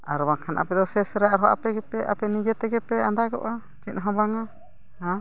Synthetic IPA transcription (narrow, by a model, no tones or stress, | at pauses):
a̰ɾbaŋkʰanʔa̰pɛd̪ɔsɛsɾɛaɾɦɔʔa̰pɛɡɛpɛʔapɛnid͡ʒɛt̪ɛɡɛpɛand̪aɡɔ̰ʔa | t͡ʃinɦɔ̃baŋa | hã